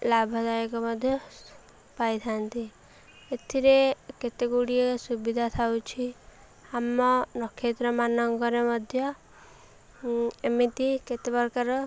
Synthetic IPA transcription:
labʱɔd̪ajekɔmɔd̪ʱjɔ | pajt̪ʰant̪i | et̪ʰiɾeket̪eɡuɽiesubid̪ʱat̪ʰawt͡ʃʰi | amɔnɔkʰːet̪ɾɔmanɔŋkɔɾemɔd̪ʱjɔ | emit̪iket̪ebɔɾkaɾɔ

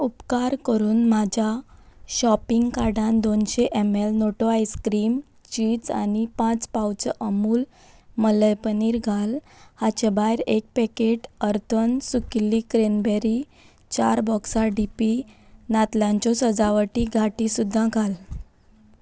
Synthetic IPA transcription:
upkaɾkəɾuːnmad͡ʑʱaɕɔpiŋɡkaɾɖãnd̪onɕeʔɛmelnoʈoajskɾiːm | t͡ɕiːd͡za̰nipãt͡spawt͡sʔəmuːl | mələjpəniːɾɡʱal | hat͡ɕebajɾek̚pɛkeʈəɾt̪ʰənsukilːikɾenbɛɾi | t͡ɕaɾbɔksaɖipi | nat̪ljãɲt͡ɕɔsəd͡zaʋəʈiɡʱaʈisud̪ʱːãɡʱal

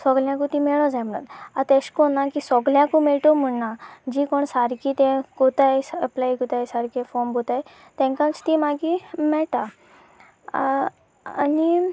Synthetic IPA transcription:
sɔɡljãkut̪imɛɭɔ̃d͡zajm̤əɽ̃ə̰t̪at̪eɕkɔnːakisɔɡljãkumɛɭʈ̪om̤əɽnad͡ʑikoɳsaɾkit̪ɛ̃ɡot̪ajsəplajkut̪ajsaɾkefɔmbʱot̪aj | t̪ɛ̃ŋkãt͡st̪imaɡimɛɭʈa | a̰ni

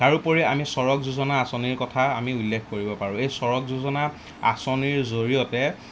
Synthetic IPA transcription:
kaɹupoɹiamisɔɹɔkzuzɔnaːsɔniɹkɔtʰaamiʊlːekʰkoɹibɔpaɹʊ̃ejsɔɹɔkzuzɔna | asɔniɹzoɹijɔtɛ

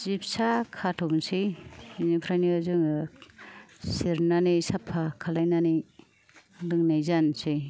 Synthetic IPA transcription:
zip̚sakʰatʰɔmnsiinipʰɾajniɯzɯŋ | siɾnanisapʰːakʰalajnani | dɯŋnajzansɯj

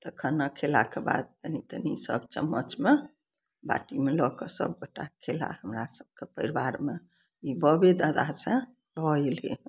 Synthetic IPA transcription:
t̪əkʰənːəkʰela̰keba̰d̪̚t̪ənit̪ənisə̰bt͡ʃə̰mːət͡ʃme | ba̰ʈimelɔkesə̰b̚ɡoʈakʰela̰həmɾasəb̚kepəɾibaɾme | ibəbed̪ad̪asẽ | lɔelḛ

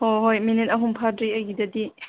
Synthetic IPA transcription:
hoɦojminit̚ɐɦumpʰadɾiɐɡidɐdi

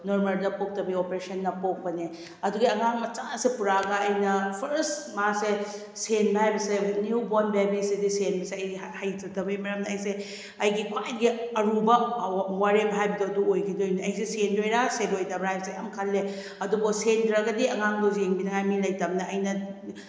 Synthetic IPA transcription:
noɾmɐldɐpok̚tɐbiopeɾesɐnːɐpok̚pɐne | ɐduɡiɐŋaŋmɐt͡ʃaŋsepuɾaɡɐːjnɐpʰɐɾsmase | senbɐhajbɐsenjubonbabisedisenbɐseɐj | hajtɐtɐbimɐɾɐmnɐːjse | ɐjɡikʰwajɡiɐɾubɐwaɾebɦajbɐduɐduojkʰidojniɐjs̬esendojɾasedojtɐbɾajbɐsejamkʰɐlːe | ɐdubɐsendɾɐɡɐdiɐŋaŋdozeŋbidɐŋajmilɐjtɐmnɐːjnɐ

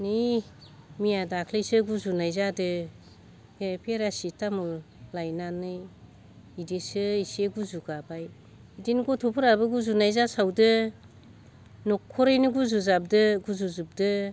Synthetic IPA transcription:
ni | mijadakʰlesɯɡuzunajzadɯ | epʰeɾasitamulajnanɯj | idisɯiseɡuzuɡabaj | idinɡɔtʰɔpʰɯɾabɯɡuzunajzasawdɯ | nɔkʰːɔɾajnɯɡuzuzab̚dɯɡuzuzub̚dɯ

